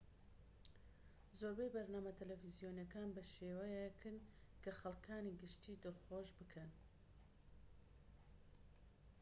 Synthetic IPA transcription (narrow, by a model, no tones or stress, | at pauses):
zoːɾbejbɐɾnaːmɐt̪ʰɐlɛfizijoːnjɐkaːnbɐʃeːwɐjekʰɨnkʰɐxɐlˠkʰaːniːɡɨʃt̪iːd̪ɨlˠxoːʒbɨkʰɐn